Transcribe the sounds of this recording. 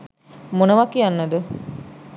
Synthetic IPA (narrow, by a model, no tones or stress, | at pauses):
monəʋakianːəd̪ə